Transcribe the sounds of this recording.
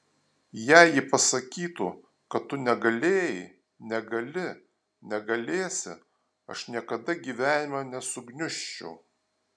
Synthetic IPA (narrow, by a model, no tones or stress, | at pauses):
jæˑɪjɪpɐsɐkʲiːt̪u | kɐt̪tːʊnʲɛɡɐlʲeːjɪ | nʲɛɡɐlʲɪ | nʲɛɡɐlʲeːsʲɪ̰ | ɐʃnʲiɛkɐd̪ɐɡʲiːʋʲæːnʲɪmɑnʲɛsʊɡnʲʊʃʲt͡ʃʲɛʊ